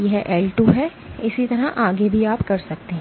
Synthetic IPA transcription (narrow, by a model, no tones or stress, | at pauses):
jeɦɛʔɛːlʈuːɦɛ | ɪsit̪ɐɾaʔaːɡebʱiaːpkɐɾsɐk̚t̪eɦɛ̃